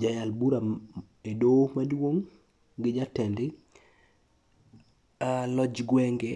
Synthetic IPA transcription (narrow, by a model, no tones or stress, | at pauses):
d͡ʒajalbuɾa | edomadwoŋ | ɡɪd͡ʒatɛndɪ | alɔd͡ʒɡwɛŋɡe